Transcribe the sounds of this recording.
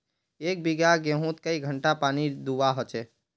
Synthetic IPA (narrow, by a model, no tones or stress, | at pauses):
ek̚biɡaɡẽɦũt̪̚kəiɡʱəɳʈapanid̪uʋaɦot͡ʃɛ